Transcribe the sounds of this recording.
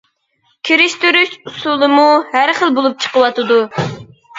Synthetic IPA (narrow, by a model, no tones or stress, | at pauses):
kʲʰiɾɪʃt̪yɾyʃusulˠɨmuhæɾχəlˠbolˠup̚t͡ʃʰə̥qəwɑt̪ɨd̪u